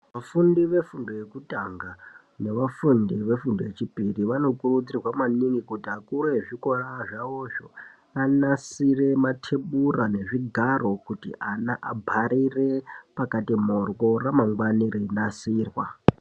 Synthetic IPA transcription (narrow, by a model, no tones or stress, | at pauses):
ʋafundiʋe̞fundoje̞kutaŋɡa | ne̞ʋafundiʋe̞fundoje̞t͡ʃipiriʋano̞kurud͡zirwamaniŋikutiakuɾeʐikoraʐaoʐo | anasire̞matʰeɓurane̞ʐiɡʱaro̞kutḭʔanaʔabʱaɾire̞pakatimorwo̞ramaŋɡwanirinasiːrwa